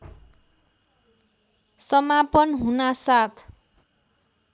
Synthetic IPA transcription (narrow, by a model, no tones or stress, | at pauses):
sʌmapʌnɦunasat̪ʰ